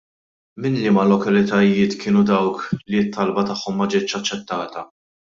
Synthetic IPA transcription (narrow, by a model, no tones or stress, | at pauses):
mɪnlɪmɐlɔkɐlɪt̪ɐjɪːt̪kʰɪːnud̪ɐwkliɪt̪ʰːɐlbɐt̪ɐħːɔmːɐd͡ʒɪːt̪ːʃɐt͡ʃːɛt̪ːɐːt̪ɐ